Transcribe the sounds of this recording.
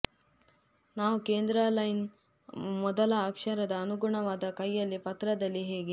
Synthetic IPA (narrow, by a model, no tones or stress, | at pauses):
naːʋukeːnd̪ɾalɐjn | mɔd̪ɐlɐːkʂɐɾɐd̪ɐːnuɡuɳɐʋaːd̪ɐkɐjːɐlːipɐt̪ɾɐd̪ɐlːiɦeːɡe